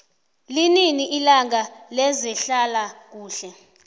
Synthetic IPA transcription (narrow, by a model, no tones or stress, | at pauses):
lininiʔilaŋalɛzɛɬalak̬uːɬɛ